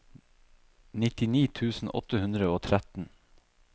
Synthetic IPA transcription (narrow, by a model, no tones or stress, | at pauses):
nɪt̪ɪniːt̪ʰʉːsn̩ʔɔ̰t̪əhʉnd̪ɾəoːt̪ʰɾæt̪n̩